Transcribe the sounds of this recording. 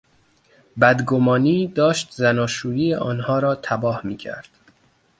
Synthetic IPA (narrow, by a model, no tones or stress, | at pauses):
bæd̪ɡomɒːniːd̪ɒːʃt̪zænɒːʃuːjiːeʔɒːnhɒːɾɒːt̪ʰæbɒːhmiːcʰæ̰ɾd̪̥